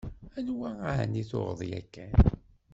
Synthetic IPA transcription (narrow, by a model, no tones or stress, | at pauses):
ænwæahniθo̰ʁəðˤjæ̰kːæn